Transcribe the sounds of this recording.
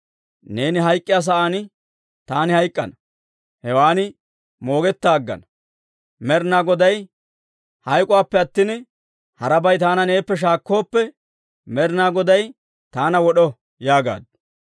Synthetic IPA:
ne̞ːnɪɦɐjkʼːɪjaːs̬ɐʔaːnɪ | t̪aːnɪhɐjkʼːɐ̰nɐ | hɛwaːnɪ | mo̞ːɡɛt̪ːaːɡːɐ̰nɐ | mɛɾnaːɡɔd̪ɐj | hɐjkʼʊwaːpːɛɐt̪ːɪn | hɐɾɐbɐjt̪aːnɐne̞ːpːɛʃ̬aːkːo̞ːpːɛ | mɛɾnaːɡɔd̪ɐj | t̪aːnɐwɔɗɔ | jaːɡa̰ːd̪̚

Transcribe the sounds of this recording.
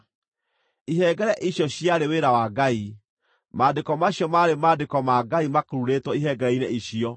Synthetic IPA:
iɦɛɡɛɾɛʔiɕjɔɕjaɾeweɾawaɡai | madekɔmaɕjɔmaɾemadekɔmaɡaimakoɾuɾetwɔiɦɛɡɛɾɛineiɕiɔ

